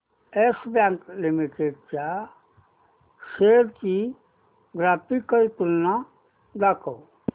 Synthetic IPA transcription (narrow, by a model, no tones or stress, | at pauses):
esbaŋklimiʈeɖt͡ʃa | seɾki | ɡɾaːpikəit̪ulna | d̪akow